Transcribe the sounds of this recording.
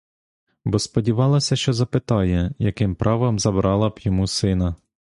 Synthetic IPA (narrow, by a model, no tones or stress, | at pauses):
bɔspɔdʲiʋɑlˠɐsʲɐʃt͡ʃɔzɐpɪt̪ɑjɛjɐkɪmpɾʔɑʋɐmzɐbɾɑlˠɐbjɔmusɪn̪ɐ